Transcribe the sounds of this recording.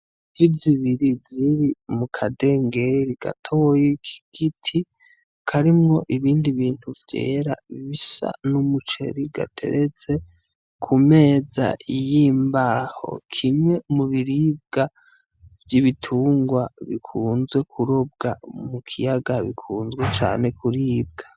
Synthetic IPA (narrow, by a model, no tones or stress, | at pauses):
viziβiɾiziɾimukʰade̞ŋɡe̞ɾiɡ̥a̰tʰojekʰi̥ɡ̥itʰi | kʰaɾimŋo̞ʔiβiːndiβiːn̥huvje̞̰ːɾa̰iβisa̰numut͡ʃe̞̰ɾiɡ̥a̰tʰe̞̰ɾet͡se̞ | kʰume̞ːza̰ijimbaho̞̰kʰimŋe̞muβiɾib̚ɡ̥a | vjiβitʰuːŋɡwaβḭkʰuːnzɡwe̞kʰuɾo̞b̚ɡa̰mukʰijaɡaβḭkʰuːnzɡwe̞t͡ʃa̰ːne̞kʰuɾiːb̚ɡḁ